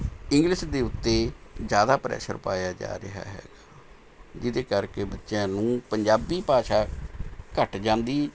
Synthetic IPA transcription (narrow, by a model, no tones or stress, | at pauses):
ɪŋɡlɪʃd̪eːʊt̪ːeːzjaːd̪aːpɾɛ̰ːsə̰ɾpaːjaːd͡ʒa̰ːɾɪɦa̰ːɦɛ̰ːɡaː | d͡ʒɪd̪eːkəɾkeːbətːʃjãːnũːpəɲd͡ʒaːbiːpaːʃaːkəʈd͡ʒãːnd̪iː